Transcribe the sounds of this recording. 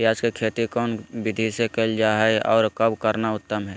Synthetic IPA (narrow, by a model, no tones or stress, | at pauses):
jaːd͡ʒkekʰeːt̪ikɔːnʋɪd̪ʱisekeld͡ʒaːɦɛeʔɔːɾkəbkəɾnaʊt̪ːəmɦɛː